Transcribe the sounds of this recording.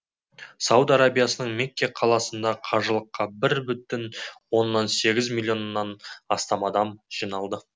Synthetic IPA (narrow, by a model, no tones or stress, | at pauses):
sɑwd̪ɑɾabijasənəɴmekʲːeqʰɑlˠɑsənd̪ɑqʰɑʒəlˠəqːɑbɪɾbʏt̪ɪnwo̞nːɑnse̞ɡʲɪzmʲilʲˠjo̞nːɑnɑst̪ɑmɑd̪ɑmʒ̥ijnɑlˠd̪ə